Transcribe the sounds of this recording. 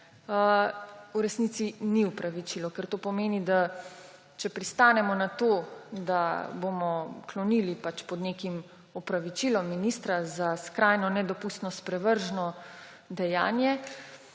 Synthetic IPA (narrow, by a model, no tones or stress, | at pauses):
uɾɛsnit̪siniupɾaʋit͡ʃilɔkɛɾt̪oːpɔmeːnid̪a | t͡ʃɛpɾist̪aːnɛmɔnat̪oːd̪abomɔklɔnilipat͡ʃpɔd̪nekim | upɾaʋit͡ʃilɔmːinist̪ɾazaskɾajnɔnɛd̪ɔpust̪nɔspɾɛʋəɾʒnɔ | d̪ɛja̰ːnjɛ